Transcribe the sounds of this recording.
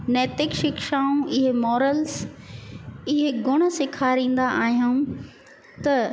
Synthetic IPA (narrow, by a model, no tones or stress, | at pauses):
nɛːt̪ɪkʃɪkʃaːũɪɦemɔːɾəls | ɪɦeɡʊɽ̃ə̆sɪkʰaːɾĩːn̆d̪aʔaːɦijaũ | t̪ɐ